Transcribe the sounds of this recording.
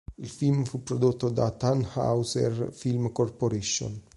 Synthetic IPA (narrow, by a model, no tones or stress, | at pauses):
ilfilmfupɾod̪ut̪ːod̪at̪anha̰wsɛ̰ɾfilmkoɾpoɾiʃo̰n